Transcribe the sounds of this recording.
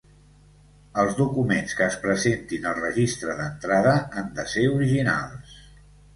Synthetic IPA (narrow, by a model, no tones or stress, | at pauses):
əlˠzðukumenskəːspɾəzent̪inəlˠrəʒist̪ɾəðənt̪ɾaðəand̪əseuɾiʒina̰lˠs